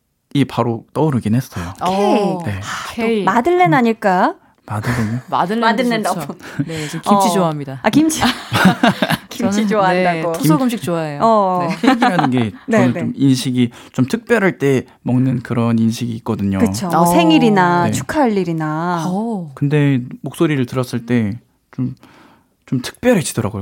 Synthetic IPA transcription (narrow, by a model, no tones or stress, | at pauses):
ipaɾot͈ʌuɾɯɡinɦe̞s͈ʌjoɡene̞aomadɯɭːenaɲiɭk͈a | madɯɭːeɲoma̰dɯɭadɯɭnendaɡonekimt͡ɕʰioaɦamɲidaakimt͡ɕʰi | kimt͡ɕit͡ɕoaɦandaɡosʰoɡɯmɕ̬ʰik̚t͡ɕoaejoʌeɡiɦaɯnɡe̞nʌnɯnt͡ɕominɕʰiɡit͡ɕomtʰɯk̚p͈jʌɾɦaɭt͈e̞ | mʌŋnɯnkɯɾʌninɕʰiɡiːk͈̚ʌdɯɲokɯt͡ɕʰosʰe̞ŋiɾinat͡ɕʰu̥kʰaʎːiɾina | kɯnde̞mok̚s͈oɾiɾɯɭtɯɾʌs͈ɯɭt͈e̞ | t͡ɕom | t͡ɕomtʰɯ̥k̚p͈jʌɾet͡ɕidʌɾaɡoj